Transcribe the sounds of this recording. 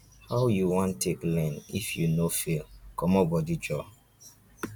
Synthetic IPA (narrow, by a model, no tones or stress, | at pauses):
haʊjuwɔ̃ntʰːeklɛ̃nḭfjunofilkɔmɔbɔdid͡ʒɔ